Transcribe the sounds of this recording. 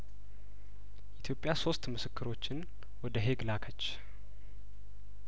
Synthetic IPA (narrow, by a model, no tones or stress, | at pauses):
jɛʔit̪ʰjo̞pʼjaso̞st̪mɨsɨkːɨɾo̞t͡ʃːɪn | wɔd̪əɦe̞ɡlakʰət͡ʃː